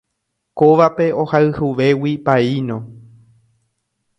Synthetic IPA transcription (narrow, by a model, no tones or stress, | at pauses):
koʋape̞o̞haɨhuʋe̞wipainõ